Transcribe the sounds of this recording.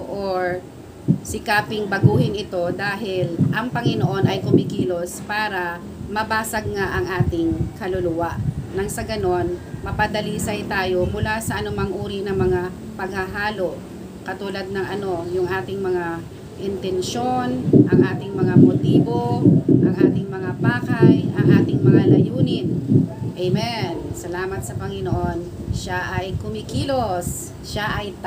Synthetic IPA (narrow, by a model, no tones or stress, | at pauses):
ʔoɹ | sɪkaːpɪŋbɐɡuːhɪnɪt̪o̞d̪aːɦɪlʔɐŋpɐŋɪnoʔo̞nɐjkʊmɪkiːlo̞spaːɾɐ | mɐbaːsɐɡ̚ŋaʔɐŋʔaːt̪ɪŋkɐlʊlʊwaʔnɐŋsɐɡɐno̞nmɐpɐd̪ɐliːsɐjt̪aːjo̞mʊlasɐʔɐnʊmaŋʔuːɾinɐŋmɐŋa | pɐɡ̚hɐɦaːlo̞ʔ | kɐt̪uːlɐd̪̚nɐŋʔɐno̞jʊŋʔaːt̪ɪŋmɐŋa | ʔɪnt̪ɛnʃo̞nʔɐŋʔaːt̪ɪŋmɐŋamot̪iːbo̞ʔɐŋʔaːt̪ɪŋmɐŋabaːkajʔɐŋʔaːt̪ɪŋmɐŋalɐjuːnɪnʔɛjmɛnsɐlaːmɐt̪̚sɐpɐŋɪnoʔo̞n | ʃaʔɐjkʊmɪkiːlos | ʃaʔɐj